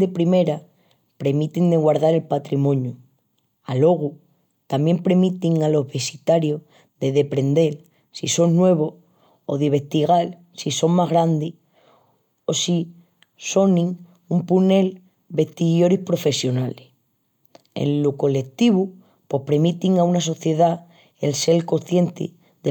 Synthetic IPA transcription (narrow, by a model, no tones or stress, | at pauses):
d̪epɾime̞ɾa | pɾe̞mit̪ind̪eɣwaɾðaɾe̞lpat̪ɾimõ̞ɲju | alo̞ɣ̞u | t̪amje̞mpɾe̞mit̪iŋalo̞ɦβe̞sit̪aɾjo̞ | ðe̞ðe̞pɾe̞nd̪e̞l | sisonnːwe̞β̞o̞ | oðeβ̞e̞ht̪iɣal | siso̞ŋmaɦɣɾand̪i | osi | so̞nĩŋ | umpune̞l | be̞ht̪iɣjo̞ɾihpɾo̞fe̞sjo̞nale | ḛnluko̞le̞k̚t̪iβu | pwo̞hpɾe̞mit̪iŋaunas̬o̞θje̞ða | elselko̞θje̞nt̪ḭ | ðe